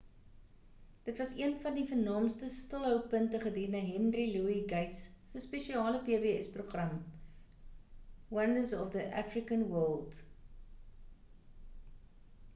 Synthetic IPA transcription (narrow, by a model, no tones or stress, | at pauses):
d̥ətvɐsiənfɐndifənɑːmstəstəlˠɦəw̚pəntəχədinəɦɛnriluiɡɐjtsːəspeʃiɑːləpeːəbeːɛsproχrɐm | wɐndəzɔfðəʔæ̰frikənwɜlˠd